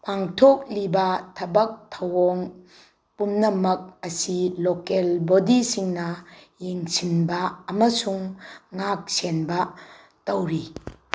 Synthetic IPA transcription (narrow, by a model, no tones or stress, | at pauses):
pʰaŋtʰok̚libɐtʰɐbɐk̚tʰɐwoŋ | pumnɐmɐk̚ɐsilokelbodisiŋnɐjeŋsʰinbɐːmɐsuŋːak̚senbɐ | tɐwɾi